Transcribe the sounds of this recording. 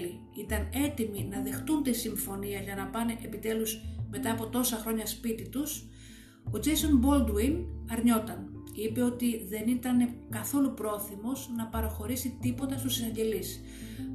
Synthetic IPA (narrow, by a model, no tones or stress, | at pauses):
li | it̪ɐne̞t̪iminɐðe̞xt̪unt̪isiɱfo̞niɐʝɐnɐpɐneʔepit̪e̞luzme̞t̪ɐːpot̪o̞sɐxɾo̞ɲɐspit̪it̪us | o̞d͡ʒeso̞nbo̞ld̪winɐɾɲo̞t̪ɐnipe̞o̞t̪iðe̞nit̪ɐne̞kɐθo̞lupɾo̞θimo̞znɐpɐɾoxo̞ɾisit̪ipo̞t̪ɐst̪usinɐɲɟe̞lis